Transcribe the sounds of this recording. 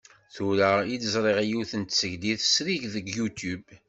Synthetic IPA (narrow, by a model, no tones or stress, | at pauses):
θuɾæid̪əzˤɾˤeʁijuθənt̪səʝd̪iθəsɾiʝðəɡjut̪ub